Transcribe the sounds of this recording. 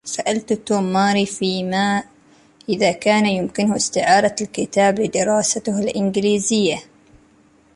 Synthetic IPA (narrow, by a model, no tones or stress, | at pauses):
saʔalt̪t̪uːmːaːɾifiːmaː | ʔɪðakaːnajʊmkɪnhɪst̪ɪʕɑːɾˤɑlkɪt̪aːblɪd̪ɪɾˤɑːsat̪halʔɪnɡɪliːzɪjːa